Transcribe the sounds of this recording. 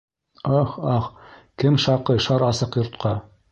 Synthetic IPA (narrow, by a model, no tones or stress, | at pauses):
oχɑχkɘmʃɑqɤjʃɑɾɑsɤqjŏɾt̪̚qɑ